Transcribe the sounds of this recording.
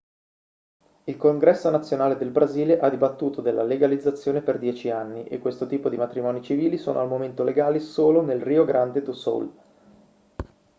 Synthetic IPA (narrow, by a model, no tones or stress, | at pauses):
ilkoŋɡɾɛsːonat̪sːjonaːled̪elbɾaziːleʔad̪ibat̪ːuːt̪od̪elːa̰leɡalid̪zːat̪sːjoːneperd̪jɛːt͡ʃianːiʔekːwest̪ot̪iːpod̪imat̪ɾimɔːnit͡ʃiviːlisoːno̰almoment̪oleɡaːlisoːlonelriːoɡɾʔand̪ed̪uso̰l